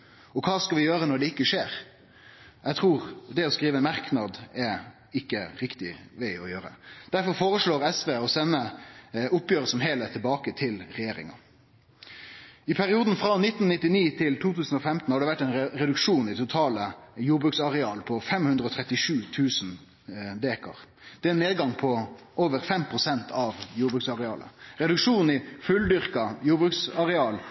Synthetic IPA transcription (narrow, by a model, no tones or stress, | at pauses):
ɔkʰɑːskɑʋɪjøːɾənɔɖɛɪkːəʂeːɾ | jɛɡt̪ʰʁuːʁd̪ɛɔskɾiːʋəɛnmɑʁknɑd̪ɛ | ɪkːəɾɪkt̪ɪ̰ʋæɪɔjøːɾəd̪̥æɾfɔɾfoːɾəʂɭoːʁɛsʋeːɔsɛnːəʔʊpjøːɾəsɔmɦeːlæt̪ʰɪlbɑːkət̪ʰɪlʁɛjeːɾɪ̰ŋɑ̰ | ɪpʰæʁɪuːd̪n̩fʁɑnɪt̪ːn̩nɪt̪ːɪniːt̪ʰɪlt̪ʰuːt̪ʉːsn̩ɔfɛmt̪n̩hɑɖɛʋæʈːɛɪnʁɛd̪ʉkʂuːnɪt̪ʰʊt̪ʰɑːləjuːʁbʁʉːktsɑʁɛɑːlpʰɔfɛmhʉnd̪ʁəɔt̪ʰʁɛt̪ɪʂʉːt̪ʰʉːsn | d̪eːkɑ̰ʁ | d̪̥ɛæneːd̪ɡɑŋpʰɔ | ʔoːʋəʁfɛmpʰʁʊsɛnt̪ʰɑʋjuːʁbʉːktsɑʁɛɑːlʔə̰ʁɛd̪ʉkʂuːnn̩ɪfʉld̪ʏʁkɑjuːʁbʁʉːksɑʁɛɑːl